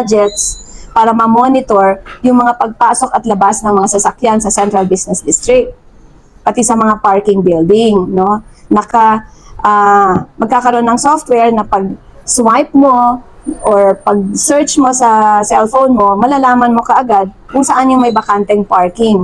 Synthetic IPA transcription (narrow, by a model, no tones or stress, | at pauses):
ad͡ʒɛt̪spaːɾɐmɐmonɪt̪oɹjʊŋmɐŋapɐɡ̚paːso̞kɐt̪lɐbasnɐŋmɐŋasɐsɐkjansɐsɛnt̪ɾɐlbisnɛsd̪ɪst̪ɾɪk̚t̪̚ | pɐt̪isɐmɐŋapaɹkɪŋbɪld̪ɪŋno̞nɐkaʔamɐɡ̚kaːkɐɾoonːɐŋsoft̪wɛɹnɐpɐɡ̚swajp̚mo̞ʔoɹpɐɡ̚sɛɹt͡ʃmo̞sɐsɛlfownmo̞mɐlaːlaːmɐnmo̞kɐʔɐɡad̪̚kʊŋsɐʔanjʊŋmɐjbɐkant̪ɛŋpaɹkɪŋ